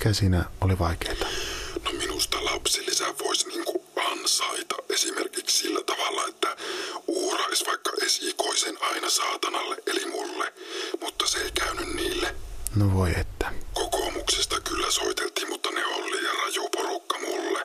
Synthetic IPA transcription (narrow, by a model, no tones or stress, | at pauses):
kæsiːnæʔoliʋɑikeːt̪ɑ̥nominust̪ɑlɑpsilːisæʋoisʲniːŋkuʔɑnsɑit̪ɑʔʔesimerkikssilːæt̪ɑʋɑlːɑet̪ːæuːrɑisʋɑikːɑʔesikoisenɑinɑsɑːt̪ɑnɑlːeʔʔelimulːemut̪ːɑseeikæynynniːlːenoʋoiet̪ːæ̥kokomuksest̪ɑkylːæsoit̪elt̪iːmmut̪ːɑneolːijɑrɑjuporukːɑmulːe